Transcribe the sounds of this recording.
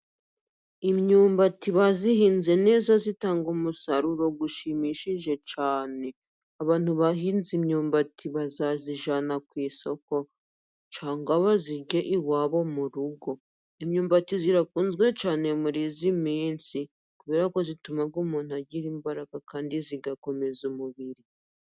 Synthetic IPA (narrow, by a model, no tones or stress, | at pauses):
imɲuːmbatiβazihiːnze̞ne̞ːzazitaːŋɡumusaɾuɾo̞ɡuʃimiʃiʒe̞t͡ʃaːne̞ | aβaːn̥huβaɦiːnzimɲuːmbatʰiβazaziʒanakwiːso̞ko̞ | t͡ʃaːŋɡaβaziɟe̞ʔiwaːβo̞muɾuɡo̞ | imɲuːmbatiziɾakuːnzɡwe̞t͡ʃaːne̞muɾizimiːnsi | kuβeːɾako̞zitumaɡumuːn̥uaɟiɾiːmbaɾaɡakaːndiziɡako̞me̞zumuβiɾi